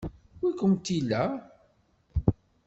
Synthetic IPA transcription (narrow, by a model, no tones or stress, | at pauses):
wikːəmt̪ːilːæ